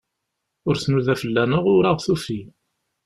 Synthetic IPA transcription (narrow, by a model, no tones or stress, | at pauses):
ʊɾsnuðæfəlːænəʁʊɾaʁθufi